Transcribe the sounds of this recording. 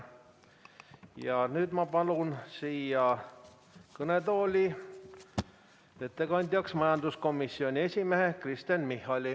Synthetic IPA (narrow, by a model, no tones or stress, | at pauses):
jɑnyːd̪̥mɑpɑlunsiːjɑ | kɤne̞t̪o̞ːlʲi | et̪ːekɑnʲd̪̥ʲjɑksmɑjɑnd̪usko̞misːio̞nʲie̞sʲimeɦe̞krist̪enmihːɑlʲi